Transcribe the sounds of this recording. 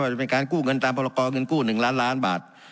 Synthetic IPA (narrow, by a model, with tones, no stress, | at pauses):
waː˧˩t͡ɕa˩pe˧nkaː˧nkuː˥˩ŋɤ˧nt̪aː˧mpʰɔː˧laː˧kɔː˧ŋɤ˧nkuː˥˩nɯ˨˩ŋlaː˦˥nlaː˦˥nba̰ː˨˩t̪̚